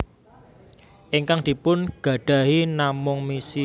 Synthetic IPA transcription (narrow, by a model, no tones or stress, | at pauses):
ʔiŋkaŋd̪̥i̤pʊnɡ̥ä̤ɖ̥a̤ɦinamʊŋmisi